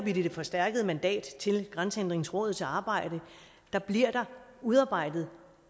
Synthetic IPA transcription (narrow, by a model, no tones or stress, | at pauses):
b̥id̥id̥efɒ̽sd̥æɐɡ̥əð̞̩ˠəmænd̥ɛ̰ːd̥t͡sʰe̝lɡ̥ʁansəend̥ʁeŋn̩sʁɔ̰̽ːð̩ˠt͡sʰe̝lɑ̈ːb̥ɑ̈ɪ̰d̥ə | d̥ɑ̈b̥liɐ̰d̥ɑ̈uðˠɑ̈ːb̥ɑ̈ɪ̰d̥ð̩ˠ